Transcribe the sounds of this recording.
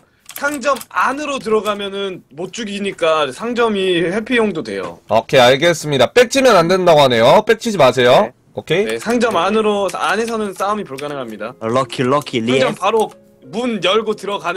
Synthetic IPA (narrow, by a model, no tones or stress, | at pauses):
sʰaŋd͡ʑʌmanɯɾot̬ɯɾʌɡamjʌnɯnmot͡ɕ͈uɡiɲik͈asʰaŋd͡ʑʌmiɸwe̞pʰijoŋdodwe̞̰jo̰okʰeaɭɡe̞s͈ɯmɲidap͈e̞k̚t͡ɕʰimjʌnandwendaɡoɦane̞jop͈e̞k̚t͡ɕʰid͡ʑimasʰe̞jo | okʰe̞sʰaŋd͡ʑʌmanɯɾoane̞sʰʌnɯns͈aumipuɭɡanɯŋɦamɲidalʌkʰiɭʌkʰilid͡ʑʌmpaɾo | munjʌɭɡotɯɾʌɡan